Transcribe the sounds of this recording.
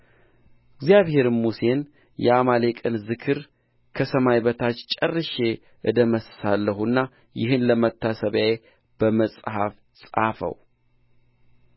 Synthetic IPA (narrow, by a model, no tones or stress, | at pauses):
ɪɡzijaβhe̞ɾɨmuse̞n | jɛamalekʼɨnzɨkʰɨɾ | kʰəsəmajbət̪ʰat͡ʃːt͡ʃʼərːɨʃe̞ | ʔɨd̪əməssalːəhunːa | jɪɦɨnləmət̪ʰːasəβjae | b̥əməsʼhaf | sʼafə̰w